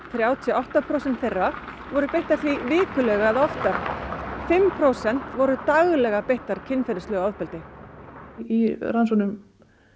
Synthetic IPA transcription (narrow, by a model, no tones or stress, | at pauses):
θɾjaːwt̪ʰiɔawht̪apʰɾowsɛnt̪θerːa | vɔɾʏpejht̪aɾθvivɪːkʏlɛɣaaðɔft̪aɾ̥fɪmpʰɾowsɛn̥t̪vɔɾʏt̪aɣlɛɣapejht̪aɾ̥cʰɪnːfɛɾɪslœɣawðpɛlt̪ɪ | iransɔnʏm